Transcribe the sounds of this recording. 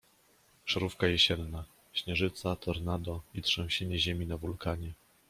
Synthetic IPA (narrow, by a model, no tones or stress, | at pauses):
ʂɛɾufkajɛɕɛnːa | ɕɲɛʐɘt̪sat̪ʰɔɾnad̪ɔit̪ʂɔ̃w̃ɕeɲɛʑemʲinavulkaɲɛ